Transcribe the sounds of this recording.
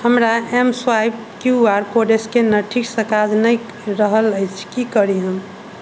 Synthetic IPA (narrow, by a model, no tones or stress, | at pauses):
həmɾaemswajb̚ | kjuaɾkoɖeskenəʈʰiksəkad͡ʒnəj | ɾəɦələjt͡ʃʰkikəɾiɦəm